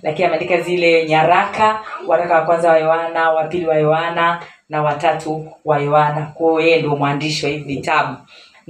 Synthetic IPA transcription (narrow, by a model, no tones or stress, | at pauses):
lakiniamɛandikazilɛɲaɾakʰawaɾakawakwanzawajɔanawapiliwajɔananawatatʰuwajɔanakuɔjɛnduɔmwandiʃwahivitaɓu